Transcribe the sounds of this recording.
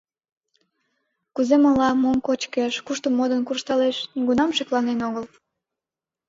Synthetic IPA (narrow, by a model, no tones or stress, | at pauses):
kuzemɑlɑmomkot͡ɕkeʃkuʃt̪əmːod̪ənkurʃt̪ɑleʃɡunɑmʃeklɑnenoɣəl